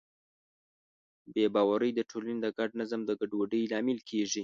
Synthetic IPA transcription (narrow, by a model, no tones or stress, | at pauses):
bebɑwaɾəjd̪əʈʰolaned̪əɡaɖ̚nazəmd̪əɡaɖwəɖəjlɑmɪlkʰeʐi